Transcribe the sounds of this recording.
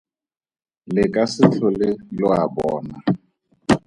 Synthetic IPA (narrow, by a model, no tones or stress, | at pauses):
lɪkʼasɪt͡ɬʰɔlɪlʊabɔːna